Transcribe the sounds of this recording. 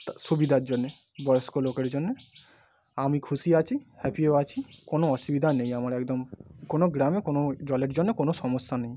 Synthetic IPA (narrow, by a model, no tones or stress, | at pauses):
subid̪ʱaɾd͡ʑonːe | bɔjoskolokeɾd͡ʑonːe | amikʰuʃiat͡ɕʰihɛpieat͡ɕʰikonoɔʃubid̪ʱanejamaɾɛkd̪omkonoɡɾamekonod͡ʑɔleɾd͡ʑonːekonosɔmosːanej